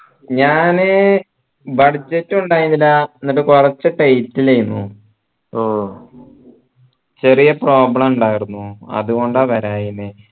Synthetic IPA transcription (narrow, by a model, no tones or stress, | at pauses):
ɲaːne | bɐɽd͡ʑetːuɳɖaːjinːilːɐenːiʈ̬ːɨkurɐt͡ɕːɨʈejtːilɐjunːu | o | t͡ɕe̞rijɐpro̞ːbɭɐmuɳɖaːjiɾunːuɐ̰ðuɣo̞ɳɖaʋɐɾaːjine